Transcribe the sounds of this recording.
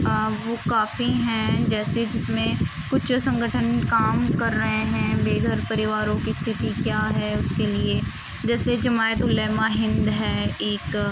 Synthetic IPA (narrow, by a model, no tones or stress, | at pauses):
əʋoːkaːfiɦɛ̃d͡ʒɛːsed͡ʒɪsmẽ | kʊʃsɐ̃ŋɡəʈʰənkaːmkɐɾːɐɦẽɦɛ̃beːɡʱəɾpɐɾɪʋaːɾõkist̪ʰɪt̪ikjaːɦɛːʊskelie | d͡ʒɛːsed͡ʒɐmaːjət̪ʊlɛːmaɦɪ̃nd̪ɦɛːeːk